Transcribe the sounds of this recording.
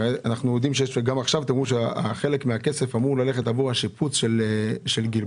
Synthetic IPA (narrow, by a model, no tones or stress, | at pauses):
eanaχnujod̪imʃeeʃɡamaχʃavt̪emʁuʃeaχe̞lekmeake̞se̞famuʁlaleχetaboaʃiput͡sʃeleʃelɡil